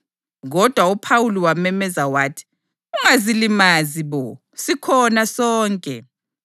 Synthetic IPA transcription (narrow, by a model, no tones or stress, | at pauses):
ɣɔd̥ʱwaupʰawuliwamɛmɛzawaːtʰi̥ | uŋazilimaziβɔ | sikʰɔnasɔːŋkʼɛ̰